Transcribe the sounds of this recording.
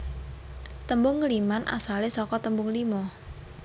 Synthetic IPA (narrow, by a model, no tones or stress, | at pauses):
t̪əmbʊŋːlimanʔa̰salesɔkɔt̪əmbʊŋlimɔ